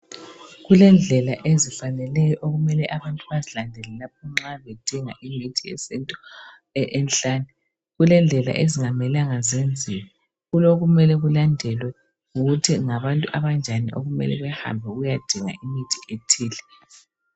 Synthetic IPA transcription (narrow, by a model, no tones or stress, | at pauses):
ɣulɛnd͡ɮʱɛlaʔezifanɛlɛjɔʔoɣumɛlɛʔaβantʼuβazilandʱɛlɛlap̚ʰɔŋ͡ǁaβɛd̥ʱiŋaʔimitʰiɛ̰sentʼu | ʔɛnɬʼaːni | ɣulɛnd͡ɮʱɛla̰ʔeziŋamɛlaŋazend͡zʱiwɛ | ɣuloɣumɛlɛɣulandʱɛlwɛ | uɣutʰiŋaβantʼuʔaβand͡ʒʱaniʔo̰ɣumɛ̰lɛ̰βɛha̰mbʱɛɣujad̥ʱiŋa̰imitʰi̥ʔetʰiːlɛ